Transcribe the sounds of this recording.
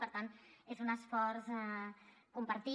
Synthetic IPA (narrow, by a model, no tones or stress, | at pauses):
pəɾt̪anezunəsfɔɾzakumpəɾt̪i